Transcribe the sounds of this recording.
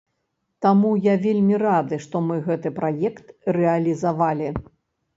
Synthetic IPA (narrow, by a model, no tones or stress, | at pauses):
t̪amujavʲelʲmʲiɾad̪ɨʂt̪ɔmɨɣɛt̪ɨpɾajɛkt̪rɛɐlʲizavalʲi